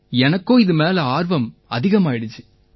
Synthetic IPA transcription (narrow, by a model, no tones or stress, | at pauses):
ɛnɐkːoːɪðɯmeːlɐaːɾʋɐmɐ̰ðɪɣɐmaːɪɽɯt͡ʃːɯ